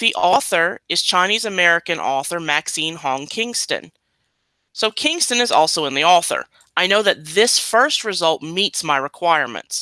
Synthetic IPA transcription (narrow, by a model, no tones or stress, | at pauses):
ðiʔɔθə˞ɨz̥t͡ʃʰãɪ̃ñizɨmɛɹɨkɨ̃nʔɔθə˞mæksĩnɦɔ̃ŋkʰɪ̃ŋstɨ̰̃n | soʊkʰɪ̃ŋstɨ̃nɨzɔ̰lˠsoʊə̃nðiɔθə̰˞ | aɪnoʊðɨt̪̚ðɪsfɜ˞st̚ɹɨzʌlˠt̚mitsmaɪɹɨkʰw̥aɪəɹmɨ̰̃nts